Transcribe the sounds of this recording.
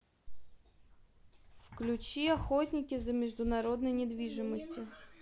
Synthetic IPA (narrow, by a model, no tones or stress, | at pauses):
fklʲʊt͡ɕiɐxɔtʲnʲɪkʲɪzɐmʲɪʐd̪ʊnɐɾɔd̪nɔjnʲɪd̪ʋʲiʐɨmɔsʲtʲjʊ